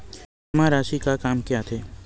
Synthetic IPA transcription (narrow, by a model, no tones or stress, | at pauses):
mãɾaːʃikakaːmkjaːt̪ʰeː